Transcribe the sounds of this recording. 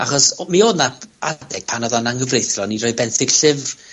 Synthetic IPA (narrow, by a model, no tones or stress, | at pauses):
aχɔsmioːdnaadɛɡ̥̚pʰanɔðanaŋɡəvrejθrɔnirɔːjbɛnθɪɡ̥ɬɪv